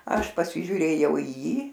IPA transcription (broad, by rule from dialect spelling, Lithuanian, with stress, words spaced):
ˈɐʃ pɐsʲɪʒʲuːˈrʲeːjɛʊ iː ˈjiː